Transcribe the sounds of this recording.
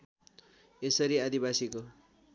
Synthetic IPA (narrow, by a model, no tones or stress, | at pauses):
esʌɾiad̪ibasiko